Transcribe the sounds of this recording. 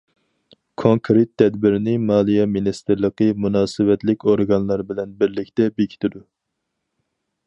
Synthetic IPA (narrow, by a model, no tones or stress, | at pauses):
kʰoŋkʰɾet̪ʰːɛd̪bɪɾnɪmɑːlˠijɛminist̪ɨɾlˠəqʰɨmunɑːsɨvɛt̪lɪkʲoɾɡɑnlˠɑɾbɪlɛnbɪɾlɪkʲt̪ɛbekʲʰi̥t̪ʰɪd̪u